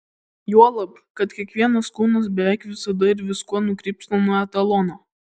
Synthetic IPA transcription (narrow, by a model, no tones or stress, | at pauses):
juɔlˠɐp | kɐt̪kʲiɛkʋʲiɛnɐskuːnɐs̬bʲɛʋʲæˑɪkʋʲɪsɐd̪ɐɪɾʋʲɪskuɔnʊkɾʲiːpsʲnonuɔɛt̪ɐlˠɔnoː